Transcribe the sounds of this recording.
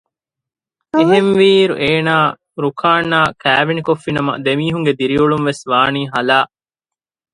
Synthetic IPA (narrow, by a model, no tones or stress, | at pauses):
iɦenʋiːɾṵʔeːnaː | ɾukʰaːnːaːkæːʋinikofːinɐmɐ̰d̪emiːɦuŋɡed̪iɾiuɭumʋesʋaːniːɦɐlaː